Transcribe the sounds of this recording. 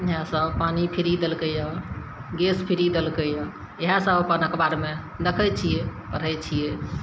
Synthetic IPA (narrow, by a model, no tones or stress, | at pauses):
iɦãsəbpanipʰiɾid̪elkəjə̃ɡespʰiɾid̪elkəjə̃ | eɦãsəbpanəkbaɾme | d̪əkʰəjt͡ʃʰijepəɾɦət͡ʃʰije